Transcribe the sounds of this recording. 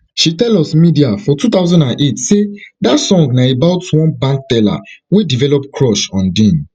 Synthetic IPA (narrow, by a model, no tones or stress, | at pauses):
ʃitɛlɔsmidiafɔtut̪aʊzɔ̃ndãnʔetsedatsɔ̃ŋɡnaebaʊtwɔ̃nbãŋk̚tɛla̰wedivɛlɔpkʰɹɔʃɔ̃ndĩn